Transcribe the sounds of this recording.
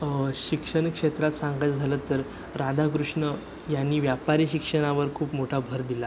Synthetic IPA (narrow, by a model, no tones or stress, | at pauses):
ɕikʂəɳkʂet̪ɾat̪sãŋɡat͡sd͡zʱalət̪ːəɾ | ɾad̪ʱakɾuʂɳə | janːiːʋjapaɾiːɕikʂəɽ̃aʋəɾkʰuːpmoʈʰabʱəɾd̪ila